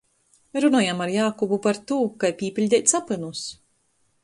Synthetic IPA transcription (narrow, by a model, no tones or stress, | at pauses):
ɾunɔːjamaɾjaːkɔbupaɾt̪uːkajpʲiːpʲilʲd̪ʲɛjt̪sapɨnus